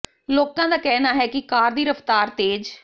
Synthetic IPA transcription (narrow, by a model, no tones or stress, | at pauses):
loːkãːd̪aːkɛːnaːɦɛːkɪkaːɾd̪iːɾəft̪aːɾt̪eːd͡ʒ